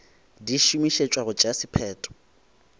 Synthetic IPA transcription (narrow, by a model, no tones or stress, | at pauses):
diʃumiʃet͡ʃʼwaɣʊt͡ʃʼasɪpʰɛːtʼɔ̥